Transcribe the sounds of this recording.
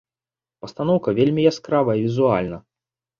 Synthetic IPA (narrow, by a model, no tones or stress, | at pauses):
pɐst̪anɔwkɐvʲelʲmʲijaskɾavɐivʲizua̰lʲnɐ